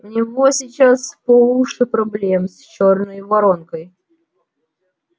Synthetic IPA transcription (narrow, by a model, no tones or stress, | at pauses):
ʊnʲɪvosʲɪt͡ɕaspolˠuʂɨpɾɐblʲemst͡ɕornəjvɐɾonkəj